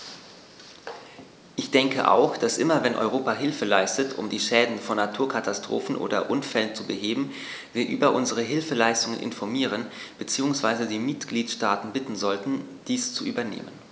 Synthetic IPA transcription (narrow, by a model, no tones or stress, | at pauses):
ʔɪçd̥ɛŋkə̰ʔa̰ʊxd̥asʔɪmɐvɛnʔɔ̰ʏʁ̞oːpaɦɪlfəlaɪstətʰʊ̰mdiːʃɛːdn̩fɔnːatʰuːɐkʰatastʁ̥o̰ːfn̩ʔo̰ːdɐ̰ʔʊnfɛlənt͡subəɦeːbm̩ | viːɐʔyːbɐʔʊnzəʁ̞əɦɪlfəlaɪstʊŋənʔɪ̰nfɔɐmiːʁ̞ənb̥ət͡siːʊŋsv̥aɪzədiːmɪtɡ̥liːtʃtaːtn̩bɪtn̩zɔltn̩d̥iːst͡suʔyːbɐnḛːmən